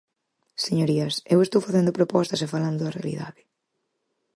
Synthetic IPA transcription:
seɲoɾiɐsewest̪owfaθend̪ʊpɾopɔst̪ɐsefaland̪ʊðɐrea̰lḭða̰ðɪ

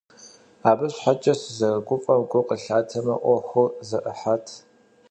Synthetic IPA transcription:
aːbɐɕħat͡ʃʼɐszɐrɡʷʊfʼɐmɡʷʊqəɬaːtʰɐmɐ̰ʔʷɔxʷɨzɐʔəħatʰ

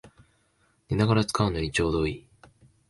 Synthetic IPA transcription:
nenaɡaɾat͡sɨ̥kaɯ̟no̞ɲʲit͡ɕo̞ːd̪o̞ːi

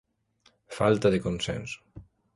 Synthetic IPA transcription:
falt̪aðekonsɛ̰ns

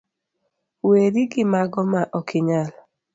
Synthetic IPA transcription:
weɾiɡɪmaɡɔmaʔɔkʰɪɲal

